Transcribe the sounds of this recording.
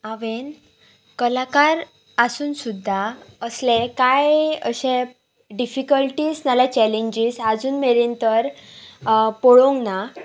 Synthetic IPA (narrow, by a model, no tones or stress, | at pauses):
aʋen | kəlakaɾ | asuːnsud̪ʱːaəslẽkajə̰ɕẽ | ɖifikəlʈiːsnalat͡ɕɛleɲd͡ʑisad͡zuːnmeɾint̪əɾ | pɔɭõŋɡna